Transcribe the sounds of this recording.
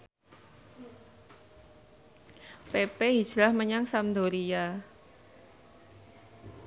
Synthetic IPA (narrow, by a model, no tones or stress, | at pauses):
pepei̥ʒ̥ɾahməɲaŋsamd̪oɾija